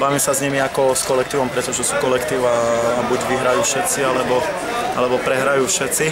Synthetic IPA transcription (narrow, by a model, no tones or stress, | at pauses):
baʋimsazɲɛmiakɔskɔlɛk̚t̪iːʋɔmpɾɛt̪ɔʒɛsuːkɔlɛkt̪iːʊabuɟʋiɦɾajuːfʃɛt̪t͡sialɛbɔ | alɛbɔpɾɛɦɾajuːfʃɛt̪t͡si